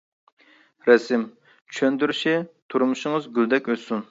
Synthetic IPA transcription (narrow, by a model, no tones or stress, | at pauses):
ɾɛsɪm | t͡ʃʰʃʰønd̪yɾyʃɪt̪ʰuɾmuʃɪŋɨzɡʲyld̪ɛkʲøsun